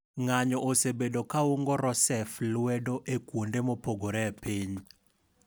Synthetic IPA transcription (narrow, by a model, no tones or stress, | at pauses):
ŋaɲɔʔosebedokauŋɡɔɾɔsɛflwɛdoʔekwondemopoɡoɾɛpiɲ